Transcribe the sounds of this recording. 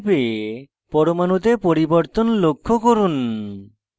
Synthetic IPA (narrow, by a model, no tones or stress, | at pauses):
be | pɔɾomanut̪epoɾibɔɾt̪ɔnlokʰːokoɾun